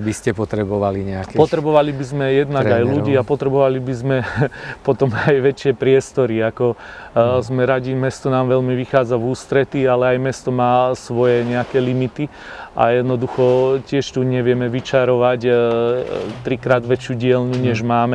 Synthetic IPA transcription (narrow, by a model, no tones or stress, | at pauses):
biscɛpɔt̪ɾɛbɔʋaliɲɛakpɔt̪ɾɛbɔʋalibizmɛjɛd̪naɡajluɟiːapɔt̪ɾɛbɔʋalibizmɛpɔt̪ɔmajʋɛt͡ʃɪɛpɾɪɛst̪ɔɾiakɔ | zmɛɾaɟimɛst̪ɔnaːmʋɛlmiʋixaːd͡zavuːst̪ɾɛt̪ialɛajmɛst̪ɔmaːsʋɔjɛɲɛakɛlimit̪i | ʔa̰jɛd̪nɔd̪uxɔcɪɛʃt̪uɲɛʋɪɛmɛʋit͡ʃaɾɔʋac | t̪ɾikɾaːd̪ʋɛt͡ʃjuɟɪɛlnuɲɛʒmaːmɛ